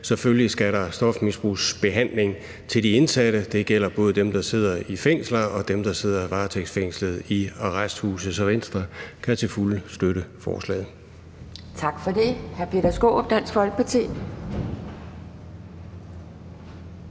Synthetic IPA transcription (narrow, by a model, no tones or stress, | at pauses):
se̽føllisɡ̥æɾɑ̈sd̥ɒ̽fmisb̥ʁuːsb̥e̝ɦæn̰le̝ŋ | t͡sʰe̝ld̥ie̝nsæɾ̥əd̥e̝ɡ̥el̰ɐb̥ɔ̽ːð̞̩ˠd̥emd̥ɑ̈se̝ð̞̰ˠɐifeŋ̰slɐɒ̽d̥emd̥ɑ̈se̝ð̞̰ˠɐiʋɑ̈ːt͡sʰeɡ̥sfeŋ̰slð̩ˠiɑʁasd̥huːsəsɒʋen̰sd̥ʁɐkʰæt͡sʰe̝lfulsd̥øɾəfɒ̰ːslɛ̰ːðˠ | t͡sʰɑ̈ɡ̥fɒd̥e̝hæɐpʰe̝d̥ɐsɡ̥o̝̰ːbd̥æn̰sɡ̥fɒ̽l̰ɡ̥̚pʰɒt͡sʰe̝̰ː